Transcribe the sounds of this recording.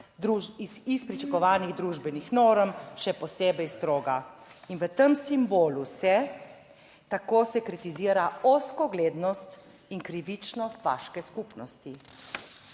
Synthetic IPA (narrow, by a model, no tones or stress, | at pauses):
d̪ɾuispɾit͡ʃakɔʋaːniɣd̪ɾuːʒbɛnixnoːɾmʃɛpɔseːbɛjst̪ɾoːɡainʋət̪əmsimboːlusɛ | t̪akosɛkɾit̪iziːɾaɔskɔɡleːd̪nɔst̪ | iŋkɾiʋit͡ʃnɔst̪ʋa̰ːʃkɛskupnɔst̪i